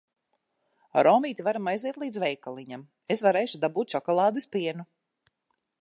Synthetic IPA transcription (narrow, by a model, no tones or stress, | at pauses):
ɾɔːmiːt̪ivaɾamajziɛt̪lˠiːd̪zvɛjkalˠiɲam | esvaɾeːʃud̪abuːt̪̚t͡ʃɔkɔlˠɑːd̪ɨspiɛnu